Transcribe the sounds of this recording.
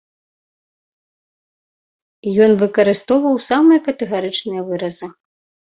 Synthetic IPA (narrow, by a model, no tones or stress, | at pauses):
jɔnvɨkɐɾɨst̪ɔwvɐwsamɨjɐkɐt̪ɛɣaɾɨt͡ʂnɨjɐvɨɾɐzɨ